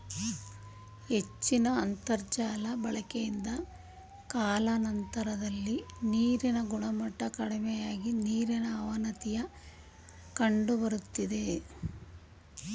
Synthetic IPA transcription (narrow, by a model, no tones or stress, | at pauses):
het͡ʃːinɐːnt̪ɐɾd͡ʒaːlɐbɐɭɐkejind̪ɐ | kaːlɐnɐnt̪ɐɾɐd̪ɐlːiniːɾinɐɡuɳɐmɐʈːɐkɐɽimɛjaːɡiniːɾinɐːʋɐnɐt̪ijɐ | kɐɳɖubɐɾut̪ːid̪e